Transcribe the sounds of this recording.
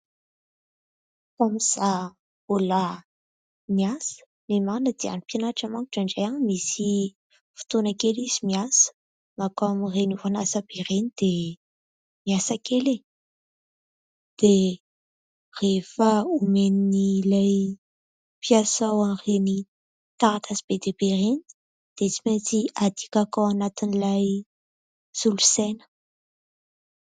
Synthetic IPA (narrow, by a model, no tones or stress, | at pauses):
amiz̥a | bola | miasə̥ | nemanəd̪ia̰nipianaʈ͡ʂamaŋku̥ʈ͡ʂaɳɖ͡ʐajaŋmisi | fi̥t̪onakelizimiasə̥ | makaamirenuvanasab̥erenid̪̥e | miasakʰele | d̪̥e | refaumeninilaj | piasawareni | t̪aɾat̪ʰazib̥ed̪eb̥ereni | d̪̥et͡si̥ment͡siad̪ikʲakawanat̪inilaj | z̥ulusenə̥